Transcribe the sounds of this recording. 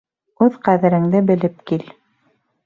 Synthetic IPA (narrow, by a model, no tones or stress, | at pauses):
ʉðqæðɘ̆ɾɘ̆ŋd̪ɘbɘ̆lɘp̚kil